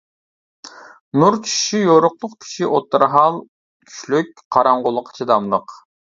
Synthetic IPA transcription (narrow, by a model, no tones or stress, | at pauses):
nuɾkʲʰi̥ʃijoɾʊqlˠʊqkʲʰi̥ʃiʔot̪ːɨɾɦɑlˠ | kʲʰy̥ʃlyk̚ʲqʰɑɾɑɴʁolˠːəqʰːə̥t͡ʃʰid̪ɑmlˠəq